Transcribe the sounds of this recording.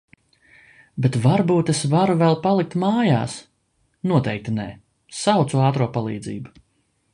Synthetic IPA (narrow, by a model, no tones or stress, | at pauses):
bet̪vaɾbuːt̪esvaɾuvɛlˠpalˠik̚t̪maːja̰ːs | nuɔt̪ɛjk̚t̪inɛː | sawt̪suɑːt̪ɾuɔpalˠḭːd̪zḭːbu